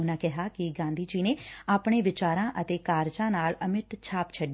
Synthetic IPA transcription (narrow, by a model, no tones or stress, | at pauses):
ʊnãːkɛɦaːkɪɡãːnd̪iːd͡ʒiːneːaːpɳ̃eːʋɪt͡ʃaːɾãːʔət̪eːkaːɾd͡ʒãːnaːləmɪt̪t͡ʃʰaːpt͡ʃʰəɖ